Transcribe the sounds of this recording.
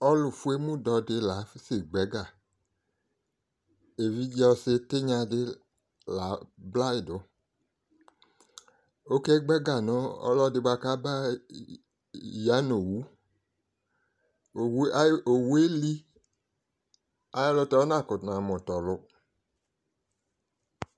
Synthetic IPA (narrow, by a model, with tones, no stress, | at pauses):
ɔ˦lʊ˨fu˦e˦mũ˦dɔ˧dɪ˧la˨˦fi˦sɪ˨ɡ͡bɛ˨˦ɡa˨ | e˨vi˦d͡ʒɔ˧sɪ˧tɪ˦ɲã˧dɪ˦ | la˨˦bla˦ɪ˨dʊ˨˦ | o˦kɛ˦ɡ͡bɛ˦ɡa˨nɔ˨˦ɔ̰˦lɔ˦dɪ˧ba˧ka˦ba˦ | ja˨˦no˨wu˦˨ | wo˨wu˦e˦li˦ | a˨jlʊ˧tɔ˧˦nã˦˨kʊ˨na˨mʊ˨tɔ˨lʊ˦